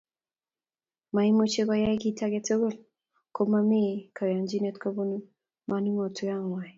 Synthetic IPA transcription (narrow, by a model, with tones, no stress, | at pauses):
ma˨i˦mo˦t͡ʃe˦kɔ˦ja˦jki˦tʰa˦ɡe˦to˦ɡo˦l | ko˦ma˦mi˦ka˨wa˨nd͡ʒi˦ne˦tkɔ˦bo˦nu˦ | ma˨ni˦mɔ˨tu˦ja˦ŋwa˨j